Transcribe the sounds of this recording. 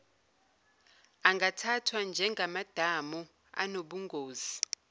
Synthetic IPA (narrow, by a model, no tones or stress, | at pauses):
aŋɡʱatʰatʰwand͡ʒʱɛŋɡʱamad̥ʱamu | a̰noɓuŋɡʱoːzi